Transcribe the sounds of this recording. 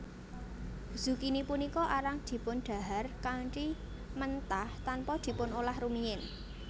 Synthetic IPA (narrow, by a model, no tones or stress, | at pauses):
z̥ṳkinipunikɔʔaɾaŋd̪̥i̤pʊnɖ̪̥a̤ɦarkat͡ʃi | mənt̪aht̪anpɔd̪̥i̤pʊnolahrumiɪn